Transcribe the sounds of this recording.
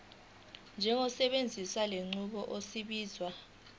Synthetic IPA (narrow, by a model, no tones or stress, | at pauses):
nd͡ʒʱɛŋɔsɛɓend͡zʱiswaleŋ͡ǀuɓɔʔosiɓiːzwa